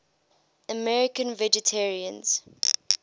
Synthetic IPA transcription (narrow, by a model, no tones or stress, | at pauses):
əmɛɹɪkə̃nvɛd͡ʒɛtʰɛɹiə̃nz̥